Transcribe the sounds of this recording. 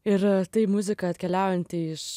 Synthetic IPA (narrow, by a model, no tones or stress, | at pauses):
ɪɾt̪ɐɪmʊzʲɪkɐɐt̪ʲkʲɛlʲæˑʊjɛnʲt̪ʲɪɪʃ